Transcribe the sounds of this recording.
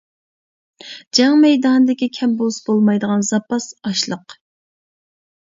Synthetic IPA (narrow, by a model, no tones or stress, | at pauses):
d͡ʒɑŋmɛjd̪ɑnɨd̪ɪkʲikʲʰɛmbosbolˠmɑjd̪əʁɑnzɑpɑsɑʃlˠəq